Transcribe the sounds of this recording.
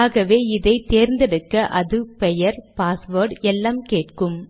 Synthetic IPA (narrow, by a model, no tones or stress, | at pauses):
aːɣɐʋeːɪðɐɪt̪eːɾnd̪ɛɽɯkːɐʔɐðɯpɛjɐɾpaːsʋɐːɾɖɛlːaːmkeːʈkɯm